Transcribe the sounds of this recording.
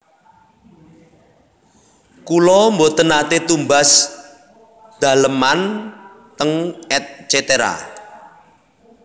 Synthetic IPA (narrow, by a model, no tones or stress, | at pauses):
kulɔmbot̪ənat̪et̪umbas | d̪̥a̤ləman | t̪əŋɛt̪̚t͡ʃet̪eɾa̰